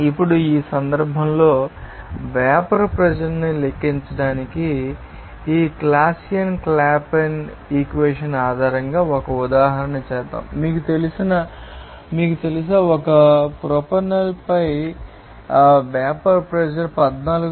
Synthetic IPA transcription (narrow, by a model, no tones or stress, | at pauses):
ipːuɽuiːsɐnd̪ɐɾbʱɐmlo̞ː | ʋaːpɐɾpɾɐd͡ʒɐɾnilekːiɲt͡ʃɐɽaːnikiː | klaːsijɐnklaːpen | iːkʋeːʂɐnaːd̪ʱaːɾɐŋɡaːɔkɐud̪aːɦɐɾɐnɐt͡ʃɛːt̪a̰ːmmiːkut̪e̞lisinɐ | miːk̬ut̪e̞lis̬ɐɔkɐpɾopɐnɐlpɐj | ʋaːpɐɾpɾɛd͡ʒɐɾpɐd̪naːluɡ